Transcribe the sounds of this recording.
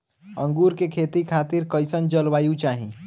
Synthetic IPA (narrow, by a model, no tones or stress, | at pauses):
ə̃ŋɡuːɾkekʰeːt̪ikʰaːt̪iɾkəɪsənd͡ʒəlʋaːjũt͡ʃaːɦi